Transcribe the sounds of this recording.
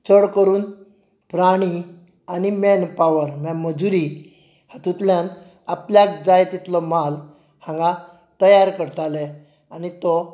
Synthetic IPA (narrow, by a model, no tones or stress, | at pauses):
t͡səɽkəɾuːn | pɾaɽ̃i | animɛnpaʋəɾmjaməd͡zuɾi | hat̪ut̪ljan | apljak̚d͡zajt̪it̪lɔmal | hãŋɡa | t̪əjaɾkəɾt̪alɛ | anit̪ɔ